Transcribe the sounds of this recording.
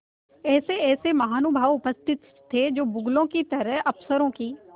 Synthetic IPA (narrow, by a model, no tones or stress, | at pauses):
ɛːseɛːsemɐɦaːnʊbʱaːʋʊpəst̪ʰɪt̪ʰːed͡ʒoːbʊɡlõkit̪ɐɾəɦɐpsəɾõkiː